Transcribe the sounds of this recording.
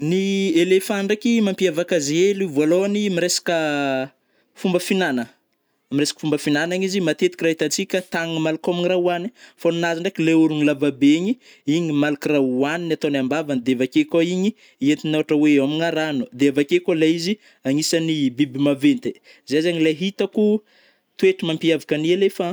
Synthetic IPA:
nielefaɳɖ͡ʐakimampiavakazeluvoaloanimiɾesḁkə | fumbəfinanə | amiresḁkə̥fumbəfinanaɲizimat̪et̪i̥kirait̪ant͡sikʲat̪aŋimalakaminiraani̥fanunaziɳɖ͡ʐekileuɾuŋilavabeɲi | iɲimalakiraaninat̪onambavanid̪eavakekaiɲi | iet̪inoaʈ͡ʂəweamiŋaɾanud̪eavakekolaizi | aŋisanibibimavent̪e | zezeɲilaɦit̪aku | t̪weʈ͡ʂimampiavakanialefa

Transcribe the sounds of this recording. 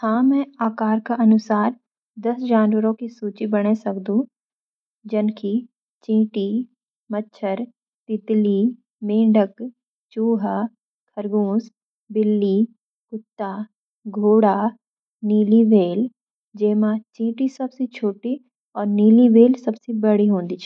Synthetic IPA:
hãːmɛ̃aːkaːɾkaʔɐnʊsaːɾ | d̪ɐsd͡ʒaːnwəɾõkisuːt͡ʃibɐɽ̃esɐkd̪ũ | d͡ʒɐnkʰi | t͡ʃĩːʈi | mɐtːʃʰəɾ | t̪ɪt̪li | mẽːɖək | t͡ʃuːɦa | kʰɐɾɡõːs | bɪlːi | kʊt̪ːaː | ɡʱoːɽaː | niːliʋeːl | d͡ʒeːmãt͡ʃĩːʈisɐbset͡ʃʰoːʈi | ɔːɾniːliʋeːlsɐbsebɐɽiɦõːnd̪iːt͡ʃʰɛ

